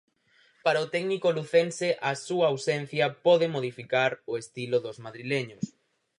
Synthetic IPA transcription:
paɾɐʊt̪ɛɡnikoluθenseʔɐsuɐːwsen̟θjɐpɔðɪmoðifikaɾoest̪ilʊðʊzmaðɾileɲʊs

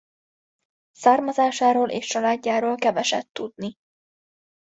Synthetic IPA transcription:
saːrmɒzaːʃaːɾoːlʔḛːʃt͡ʃɒlaːɟːaːɾoːlkɛvɛʃɛ̰t̪ːud̪ni

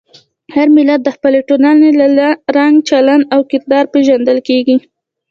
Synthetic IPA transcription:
haɾmɪlad̪ːəxpəleʈonɑnelaɾaŋɡt͡ʃaland̪awkɪɾ̚d̪ɑɾpeʒand̪əlkeɡi

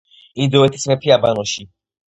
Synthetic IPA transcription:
ind̪ɔɛt̪ʰi̥smɛpʰiabanɔʃi

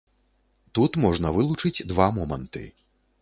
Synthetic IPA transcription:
t̪ut̪mɔʐnɐvɨlˠut͡ʂɨt͡sʲd̪vamɔmɐnt̪ɨ̰

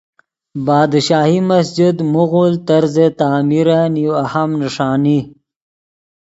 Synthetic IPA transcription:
baːd̪ʃaːhimɐsd͡ʒid̪muɣult̪aɾzet̪aːmiɾaniwahɐmnəʂɑːni

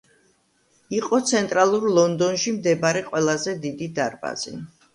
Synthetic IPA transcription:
iqʼɔt̪sʰɛnt̪ʼɾalˠuɾlˠɔnd̪ɔnʃimd̪ɛbaɾɛqʼwɛlˠazɛd̪id̪id̪aɾba̰z̥ḭ

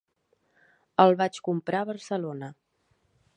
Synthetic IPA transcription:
əlˠβat͡ʃkumpɾaβəɾsəlonə

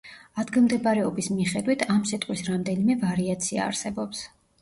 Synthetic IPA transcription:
ad̪ɡilˠmd̪ɛbaɾɛɔbismiχɛd̪wit̪ʰamsit̪ʼqʼwisɾamd̪ɛnimɛvaɾiat̪sʰia̰ːɾsɛbɔps

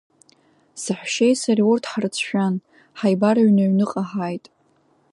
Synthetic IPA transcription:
sɨħʷᶣʃejsariʊrtʰħarɨt͡sʰʃᶣan | ħajbaɾaɥnaɥnɨqʼaħajtʼ

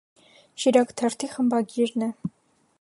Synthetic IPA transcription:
ʃiɾɑkt̪ʰɛɾt̪ʰiχəmbɑɡiɾnɛ

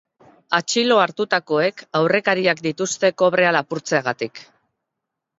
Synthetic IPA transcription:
at͡ʃilo̞aɾt̪ut̪ako̞e̞kawre̞kaɾiakd̪it̪ust̪e̞ko̞β̞ɾe̞alapuɾt͡se̞aɣat̪ik

